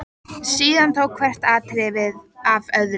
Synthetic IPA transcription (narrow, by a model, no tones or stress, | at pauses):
siːðant̪ʰowkʰvɛr̥t̪aːt̪ɾɪvɪðavœðɾ